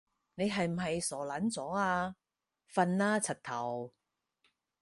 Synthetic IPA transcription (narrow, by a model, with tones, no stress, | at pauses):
ne˨˧jɦɐ˨jm̩˨˩ɦɐ˨jsɔː˨˩lɐ˨˥nt͡sɔː˨˥aː˧ | fɐ˧nlaː˥t͡sʰɐ˨˩t̚t̪ʰɐ˨˩w